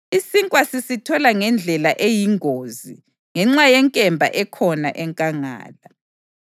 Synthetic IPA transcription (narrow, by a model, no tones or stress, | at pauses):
isiŋkʼwasisitʰɔlaŋɛnd͡ɮʱɛlaʔejiŋʱoːzḭ | ŋɛŋ͡ǁajɛŋkʼɛmbʱa̰ʔɛkʰɔna̰ʔɛŋkʼaŋa̰ːla